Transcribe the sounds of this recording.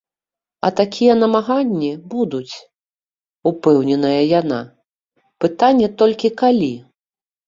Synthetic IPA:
ɐ̰t̪akʲijɛnɐmaɣanʲːibud̪ut͡sʲ | upɛwnʲɛnɐjɐjana̰ | pɨt̪anʲːɛt̪ɔlʲkʲikalʲi

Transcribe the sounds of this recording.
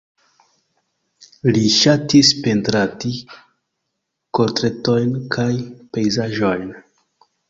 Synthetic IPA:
liʃatispe̞ntɾati | koɾtɾe̞to̞jnkʰajpe̞jzaʒojn

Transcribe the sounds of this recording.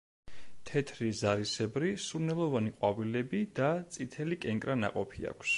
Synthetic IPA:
t̪ʰɛt̪ʰɾizaɾisɛbɾisuɾnɛlˠɔvaniqʼwavilɛbid̪at̪sʼit̪ʰɛlikʼɛŋkʼɾana̰qʼɔpʰia̰kʰs

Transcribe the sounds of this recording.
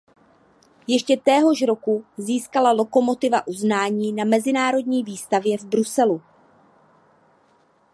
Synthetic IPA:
jɛʃcɛt̪ɛːɦo̞ʃɾo̞kuziːskalalo̞ko̞mo̞t̪ɪvaʔuznaːɲiːnamɛzɪnaːɾo̞dɲiːviːst̪avjɛvbɾusɛlu

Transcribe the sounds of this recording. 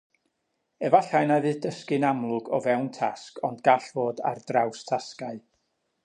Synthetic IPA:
ɛvaɬajnavɨːðdəskɨnamlˠʊɡɔ̰vɛwntʰaskʰɔndɡaɬvoːda̰rdrawstʰaskaɨ

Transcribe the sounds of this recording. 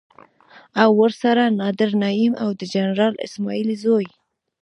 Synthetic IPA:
awːəɾsaɾanɑd̪ɪɾnaimawd̪əd͡ʒanɾɑlɪ̰smɑilizoj

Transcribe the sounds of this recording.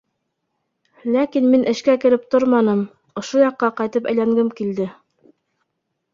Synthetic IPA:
lækinminʔɘ̆ʃkækɘ̆ɾɘp̚t̪oɾmɑnɤm | ŏʃojɑqːɑqɑjt̪ɤpæ̰̆jlæŋɡɘmkild̪ɘ

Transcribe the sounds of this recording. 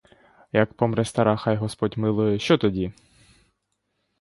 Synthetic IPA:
jɐkpɔmɾɛst̪ɐɾɑxɑjɦɔspɔdʲmɪlˠʊjɛʃt͡ʃɔt̪ɔdʲi

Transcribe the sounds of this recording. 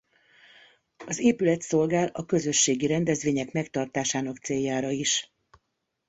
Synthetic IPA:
ɒzeːpylɛt̪so̞lɡaːlɒkø̞zø̞ʃːeːɡiɾɛnd̪ɛzʋeːɲɛkmɛkt̪ɒrt̪aːʃaːnɒkt̪seːjːaːɾɒiʃ

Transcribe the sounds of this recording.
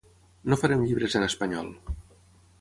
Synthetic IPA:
nofaɾemʎiβɾezənəspaɲɔ̰lˠ

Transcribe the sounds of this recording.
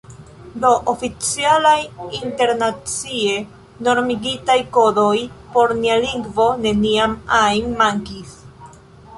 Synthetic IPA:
do̞ʔofit͡sialajinte̞ɾnat͡sie̞ | no̞ɾmiɡitajko̞do̞jpo̞ɾnialiŋɡvo̞ne̞niamajnːaŋkis

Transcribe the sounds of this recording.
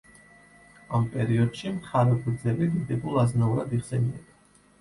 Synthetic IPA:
ampʼɛɾiɔd̪̥ʃimχʰaɾɛɡʰɾd̪zɛlid̪id̪ɛbulˠaznauɾad̪iχsɛniad

